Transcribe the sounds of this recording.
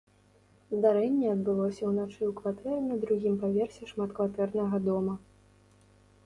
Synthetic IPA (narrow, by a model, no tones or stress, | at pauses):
zd̪aɾɛnʲːɛɐd̪̚bɨlˠɔsʲɐwnat͡ʂɨwkvat̪ɛɾɨnɐd̪ɾuɣʲimpavʲɛrsʲɛʂmat̪kvat̪ɛrnɐɣɐd̪ɔmɐ